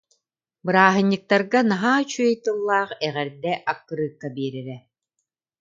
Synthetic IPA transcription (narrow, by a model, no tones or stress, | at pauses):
bɯɾaːɦɯ̆ɲːɯk̚t̪aɾɡanaɦaːt͡ɕyœjt̪ɯlˠːaːχɛʁɛɾd̪ɛʔakːɯɾɯːkːabiɛɾɛɾɛ